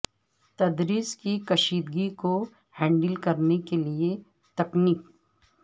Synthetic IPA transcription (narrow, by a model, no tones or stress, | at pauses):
t̪ɐd̪ɾiːskikɐʃiːd̪ɡiko | hɛ̃ːɳɖəlkɐɾnekelie | t̪ɐkniːk